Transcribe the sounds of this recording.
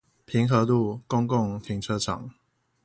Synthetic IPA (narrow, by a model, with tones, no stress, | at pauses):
pʰi˨˥ŋxɤ˧˦lu˥˩kʊ˦ŋkʊ˥˨ŋt̪ʰi˨˥ŋʈ͡ʂʰɤ˦˥ʈ͡ʂʰɑ̰˨˩˦ŋ